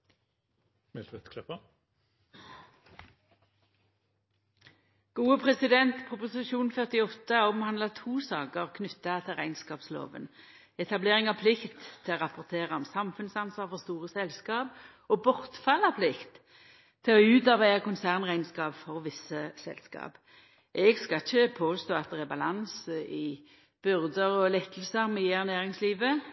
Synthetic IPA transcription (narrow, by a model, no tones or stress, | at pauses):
mɛlt̪ʋɛt̪kʰlɛpːə | ɡ̥uːəpʰʁɛsɪd̪ɛnt̪pʰʁʊpʊsɪʃuːnfœʁt̪ɪɔt̪ːəɔmhɑnd̪lɑt̪ʰuːsɑːkəʁkʰnʉt̪ːɑt̪ʰɪlʁæɪnskɑːpslo̰ːʋə̰n | ɛt̪ɑbleːʁɪŋɑpʰlɪkt̪ʰːɪlɔʁɑpʊʁt̪ʰeːʁɑɔmsɑmfʉnsɑnsʋɑʁfɔʁst̪uːʁəsɛlskɑːp | ɔbɔʁt̪fɑlːɑpʰlɪkt̪ | t̪ʰːɪlɔʉːt̪ɑʁbæɪɑkʊnsæʁnʁæɪnskɑːpfɔʁʋɪsəsɛ̰lskɑ̰ːp | ʔɛɡskɑçəpʰoːst̪oːɑt̪̚d̪ɛʁæbɑlɑnsɪ | b̥ʏʁd̪əʁɔlɛt̪ʰːəl̩səʁmɛjeʁnæːʁɪŋsliːʋə